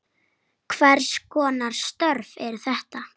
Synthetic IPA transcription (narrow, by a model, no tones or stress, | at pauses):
kʰvɛɾ̥skʰɔːnaɾ̥st̪œɾvɛɾθɛht̪a